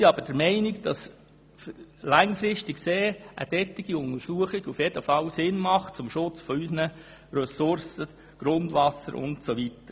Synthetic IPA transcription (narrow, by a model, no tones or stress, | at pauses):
iɑb̥əɾd̥əɾmɛɪnɪɡd̥ɑs | flæŋfɾɪstikseːʔə̰d̥ɛtːiɡ̥iʊnəɾsuəχiɡ̥ufjɛd̥əfɑlsɪnmɑχt͡sʊmʃʊt͡sfɔysnə | ɾœsʊɾsə | ɡ̥ɾʊndvʋɑsəɾʊ̰ntsoʋitəɾ